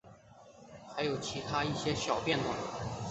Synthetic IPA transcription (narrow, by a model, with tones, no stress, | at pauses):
xa˧˥ɪjo˨˩ʊt͡ɕʰi˧˥t̪ʰa˥i˥˩ɕjɛ˥ɕjɑ˨˩ʊpjɛ˥˨nwa̰˨˩˦